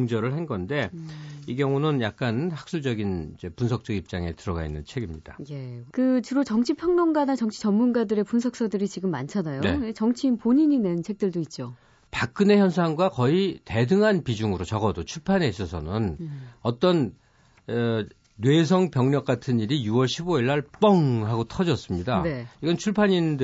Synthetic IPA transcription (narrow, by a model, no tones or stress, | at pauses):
ŋd͡ʑʌɾɯɭhanɡʌnde̞iɡjʌŋunɯnjak̚k͈anhak̚s͈uɭd͡ʑʌɡinid͡ʑe̞punsʰʌk̚t͡ɕ͈ʌɡip̚t͡ɕ͈aŋe̞tɯɾʌɡa̰inːɯnt͡ɕʰe̞ɡimɲid̥aje̞kɯt͡ɕɯɾot͡ɕʌŋt͡ɕʰipʰjʌŋnoŋɡanat͡ɕʌŋt͡ɕʰi̥t͡ɕʌmmunɡadɯɾe̞punsʰʌk̚s͈ʌdɯɾit͡ɕiɡɯmːant͡ɕʰanajoet͡ɕʌŋt͡ɕʰiːnpoɲiɲinent͡ɕʰe̞k̚t͈ɯɭdoit̚t͡ɕ͈o | pak̚k͈ɯne̞çjʌns̬ʰaŋɡwakʌite̞dɯŋɦanpid͡ʑuŋɯɾot͡ɕʌɡʌdot͡ɕʰuɭpʰane̞is͈ʌsʰʌnɯnʌt͈ʌn | we̞s̬ʰʌŋpjʌŋɲʌk͈̚atʰɯniɾijuwʌɭɕʰiboiɭːaɭp͈ʌŋɦaɡotʰʌd͡ʑʌs͈ɯmɲidane̞iɡʌnt͡ɕʰuɭpʰaɲind